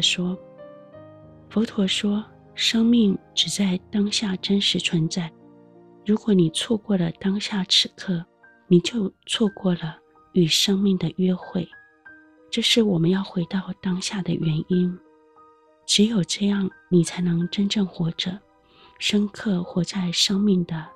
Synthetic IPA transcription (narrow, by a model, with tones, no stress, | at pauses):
ʂwɔ˥ | fo˧˥ʊt̪ʰwɔ˧˥ʂwɔ˥ | ʂɤ˥ŋmi˥˩ŋʈ͡ʂɻ̩˨˩t͡sa˥˩ɪt̪ɑ˥ŋɕja˥˩ʈ͡ʂə˥nʂɻ̩˧˥t͡sʰwə˧˥nt͡sa˥˩ɪ | ɻu˧˥kwɔ˧˥ni˨˩t͡sʰwɔ˥˧kwɔ˥˩lə˩t̪ɑ˥ŋɕja˥˩ʈ͡ʂʰɻ̩˥˧˥kʰɤ˥˩ | ni˨˩t͡ɕjo˥˧ʊt͡sʰwɔ˥˧kwɔ˥˩lə˩ | y˨˩ʂɤ˥ŋmi˥˩ŋd̪ə˩ɥɛ˥xwe˥˩ɪ | ʈ͡ʂɤ˥˧ʂɻ̩˥˩wɔ˨˩mə˦njɑ˥˩ʊxwe˧˥ɪt̪ɑ˥˩ʊt̪ɑ˥ŋɕja˥˩d̪ə˩ɥɛ˧˥ni˥n | ʈ͡ʂɻ̩˧˥jo˨˩ʊʈ͡ʂɤ˥˧jɑ˥˩ŋni˨˩t͡sʰa˧˥ɪnɤ˧˥ŋʈ͡ʂə˥nʈ͡ʂɤ˥˩ŋxwɔ˧˥ʈ͡ʂɤ˨˩˦ | ʂə˥ŋkʰɤ˥˩xwɔ˧˥t͡sa˥˩ɪʂɤ˥ŋmi˥˩ŋd̪ə˩